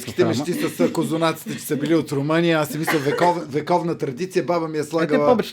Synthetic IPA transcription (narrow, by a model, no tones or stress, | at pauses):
ski̥t̪ɛmɛʃt̪isɐsəkozonat̪si̥t̪ɛt͡ʃɛ̥səbiliot̪ɾomənijəasɛmislʲɐvɛkɔvvɛkɔvnət̪ɾɐd̪it̪sijəbabəmiɛslˠaɡəlˠəɔb